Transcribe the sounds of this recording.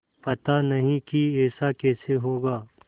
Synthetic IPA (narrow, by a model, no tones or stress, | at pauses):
pɐt̪anɐɦĩkiɛːsakɛːseɦoːɡaː